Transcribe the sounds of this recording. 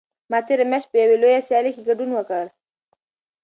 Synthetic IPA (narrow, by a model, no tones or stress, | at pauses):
mat̪eɾemeʃpəjawelojasjalekeɡaɖunwəkal